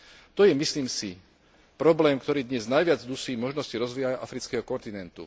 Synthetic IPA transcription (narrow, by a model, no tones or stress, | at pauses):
t̪ɔjɛmisliːmsi | pɾɔblɛːmkt̪ɔɾiːd̪ɲɛznajʋɪad͡zd̪usiːmɔʒnɔsciɾɔzʋijajaʔafɾit͡skɛːɦɔkɔnt̪inɛnt̪ṵ